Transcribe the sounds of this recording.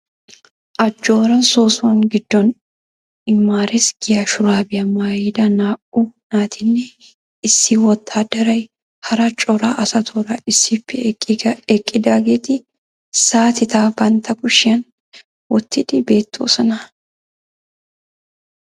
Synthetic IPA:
ʔɐd͡ʒːo̞ːɾɐnso̞ːsʊɐŋɡɪd̪ːɔn | ɪmːaːɾɪsɡ̥ɪjaʃʊɾaːbɪjɐmaːjɪd̪ɐnaːʔunaːt̪ʰɪnːɛ | ɪsːɪwɔt̪ʰːaːd̪ɐɾɐj | hɐɾɐt͡ʃʼɔɾaʔɐsɐt̪ʰoɾɐɪsːɪpːɛ | ɛkʼːɪd̪aːɡɛt̪ɪ | saːt̪ɪt̪aːbɐnt̪ɐɡʊʃɪjɐn | wɔt̪ːɪd̪ɪbe̞ːt̪ʰːo̰ːsɐnɐ

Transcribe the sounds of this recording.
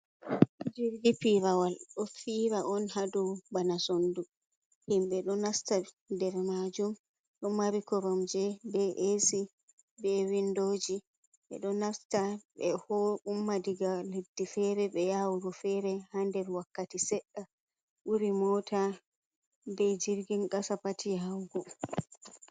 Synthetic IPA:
d͡ʒiɾdipiɾawalɗɔfiɾaɔnhadɔbanasondu | himɓɛɗɔnasta | dɛɾmad͡ʒum | ɗɔmaɾikɔɾɔmd͡ʒɛbɛʔesi | bɛwindoːd͡ʒi | ɓɛ̰ɗɔnastaɓɛhɔumːadiɡaledːifɛɾɛɓɛjawuɾɔfɛɾɛhandɛɾwakːatisɛɗːa | ɓuɾimɔtʰa | bɛd͡ʒiɾɡinɡasapatʰiawɡɔ

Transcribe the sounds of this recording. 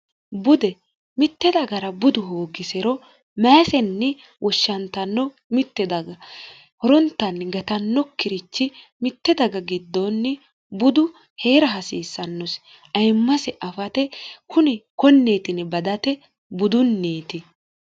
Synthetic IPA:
bʊd̪ɛ | mɪt̪ːɛd̪ɐɡɐɾɐbʊd̪ʊɦoːɡɪsɛɾɔ | mɐːsɛnːɛ | wʔɔʃːɐnt̪ɐnːɔ | mɪt̪ːɛd̪ɐɡɐ | hɔɾɔnt̪ːɐnɡɐt̪ɐnːɔkːɪɾɪt͡ʃːɪmɪt̪ːɛd̪ɐɡɐɡɪd̪ːonːɛ | bʊd̪ʊ | he̞ːɾɐɦɐsiːsːɐnːɔs | ɐjmːɐsɛʔɐfɐt̪ɛkʊnɛkɔnːe̞ːt̪ɪnɛbɐd̪ɐt̪ɛ | bʊd̪ʊnːeːt̪ɪ

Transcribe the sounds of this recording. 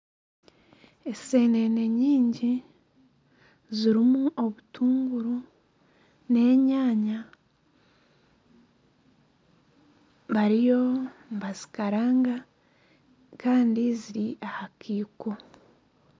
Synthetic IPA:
e̞se̞ːne̞ne̞ɲiːɲɟi | ziɾimuʔo̞βutʰuːŋɡuɾu | ne̞ːɲaːɲa | βaɾijo̞mβazi̥kaɾaːŋɡa | kaːndiziɾiʔahakʰiːko

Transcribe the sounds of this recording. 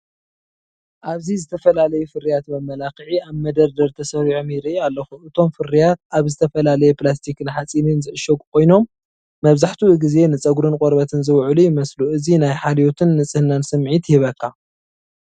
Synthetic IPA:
ʔaβzizɨt̪ʰɐfɐlalɐjufɨɾijat̪bɐmːɐlaxɨʕiaβmɐd̪ɐɾd̪ɐɾt̪ʰɐsɐɾiʕomiɾialːɐxuʔɨt̪ʰo̞mfɨɾijat̪̚aβzɨt̪ʰɐfɐlalɐjeplas̬t̪ʰikɨnħat͡sʼininzɨʔɨʃokʼukʰo̞jno̞mː | ɐβzaħt̪ʰuɨɡize̞nɨt͡sʼɐɡuɾɨnkʼoɾbɐt̪ʰɨnzɨwʕlujɪmɐsluʔɨzinajħalijot̪ʰɨnːɨt͡sʼɨhɨnansɨmʕit̪hiβɐkːa

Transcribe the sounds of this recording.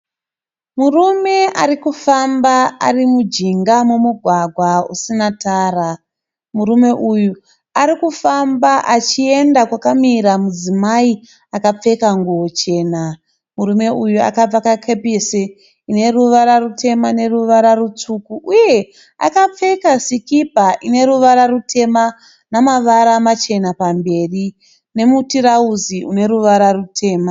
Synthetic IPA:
murume̞arikufambaa̰rimud͡ʒiŋɡamumuɡʱwaɡʱwaṵsinataːra | murume̞ʔuju | aɾikufambaʔat͡ʃie̞ndakwakamiɾamud͡zimai | akap͡fe̞kaŋɡuot͡ʃe̞ːna | muɾume̞ujua̰kab͡vakakʰepese | ine̞ruʋaɾarutʰe̞mane̞ruʋaɾarut͡sukuʔuje̞ | a̰kap͡fe̞kasikipaʔine̞ɾuʋaɾarutʰe̞ma | namaʋaɾamat͡ʃe̞napambe̞ːri | ne̞mutiɾauziʔune̞ɾuʋaɾarutʰe̞ːma

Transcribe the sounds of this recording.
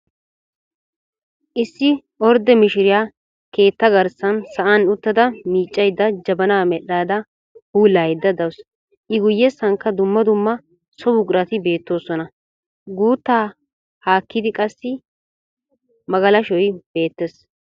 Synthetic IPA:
ʔɪsːɪ | ɔɾd̪ɛmɪʃɪɾɪjaː | ke̞ːt̪ːɐɡɐɾsɐnsɐʔanʊt̪ːɐd̪ɐmiːt͡ʃʼːɐjd̪ːɐd͡ʒɐbɐnaːmɛɗːaːd̪ɐ | huːlaːjd̪ːɐd̪ɐws | ʔɪɡʊjːɛsɐŋkːɐd̪ʊmːɐd̪ʊmːɐ | sɔbʊɡʼɾɐt̪ɪbe̞ːt̪ːo̞ːsɔnɐ | ɡuːt̪ːaː | haːkːɪd̪ɪkʼɐsːɪ | mɐɡɐlɐʃɔjb̥e̞ːt̪ːɛs

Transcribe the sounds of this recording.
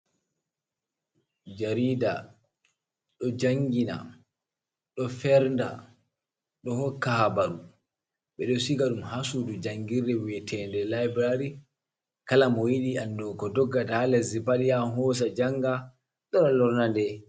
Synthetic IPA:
d͡ʒaɾida̰ | ɗɔd͡ʒaŋɡina̰ | ɗɔfɛɾnda̰ | ɗɔhɔkːahabaɾu | ɓɛɗɔsiɡaɗumɦasudud͡ʒaŋɡiɾːɛwɛtʰɛndɛlajbɛɾaɾi | kalamɔwiɗiandɔkɔdɔɡːatahalɛzibalijaɦɔs̬ad͡ʒaŋɡa | ɗɔɗɔlɔɾnandɛ

